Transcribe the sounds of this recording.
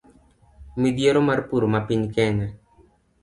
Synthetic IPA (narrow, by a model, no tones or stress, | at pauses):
mid̪jeɾomaɾpuɾomapinkɛne